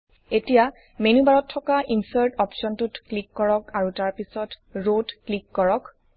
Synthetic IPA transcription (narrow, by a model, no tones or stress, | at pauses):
etija | menubaɹɔtʰːɔkaʔinsaɹtɔpsɔntutklikːɔɹɔkaɹutaɹpisɔt | ɹotklikːɔɹɔk